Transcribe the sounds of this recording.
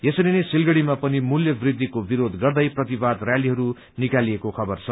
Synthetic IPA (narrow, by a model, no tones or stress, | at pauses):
jesʌɾinesilɡʌɽimapʌnimuljʌbrid̪ʱːikobiɾod̪ɡʌrd̪ʌjprʌt̪ibad̪rjaliɦʌɾu | nikaliekokʰʌbʌrt͡sʰʌ